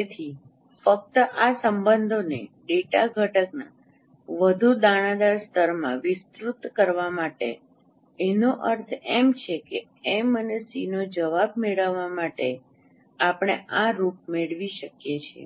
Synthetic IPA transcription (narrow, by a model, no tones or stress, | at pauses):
et̪ʰi | fək̚t̪əʔasəmbənd̪ʱoneɖeʈaɡʱəʈəkna̰ | ʋəd̪ʱud̪aɽ̃ãd̪aɾst̪əɾmãʋɪst̪ɾut̪kəɾʋamaʈḛ | enoʔəɾt̪ʰemt͡ʃʰeke | emənesinod͡ʒəʋabmeɭəʋamaʈe | apɽ̃eʔaɾup̚meɭʋiʃəkjet͡ʃʰḛ